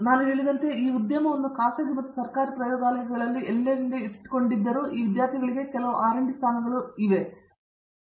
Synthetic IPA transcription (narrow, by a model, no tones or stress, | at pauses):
naːnueɭid̪ɐnt̪eiːud̪jɐmɐʋonːukaːsɐɡimɐt̪ːɐsɐrkaːɾiprɐjoːɡaːlɐjɐɡɐɐɭɐlːiʔelːeɾind̪eiʈi̥ko̞ɳɖid̪ːɐɾuʔiːʋid̪jaːɾt̪ʰiɡɐɭiɡe̞kɛlɐʋuʔaːɾɐɳɖist̪ʰaːnɐʋɐɾuiʋe